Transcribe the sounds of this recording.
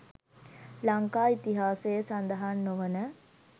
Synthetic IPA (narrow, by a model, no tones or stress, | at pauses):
laŋkaːit̪iɦaːsejəsand̪ɐɦanːoʋənə